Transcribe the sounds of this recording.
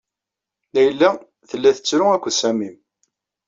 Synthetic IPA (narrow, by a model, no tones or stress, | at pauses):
læjəlːæ | θəlːæθə̥t͡sːɾʊækʷːsæmim